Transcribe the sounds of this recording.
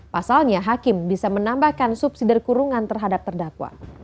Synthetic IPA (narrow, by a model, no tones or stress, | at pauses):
pasalɲaɦakɪmbisamənambahkansup̚sidɪrkuɾuŋant̪ərɦadap̚t̪ərdakwa̰